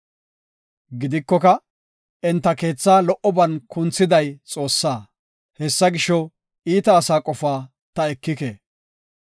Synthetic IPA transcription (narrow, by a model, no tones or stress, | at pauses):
ɡɪd̪ɪkːɔkɐ | ɛnt̪ːɐke̞ːt͡sːaːlɔʔɔbɐnkʊnt͡sːɪd̪ɐjt͡sʼo̞ːsːaː | hɛsːɐɡɪʃɔ | iːt̪ɐːsaːkʼɔfaː | t̪ɐɛkːɪkḛː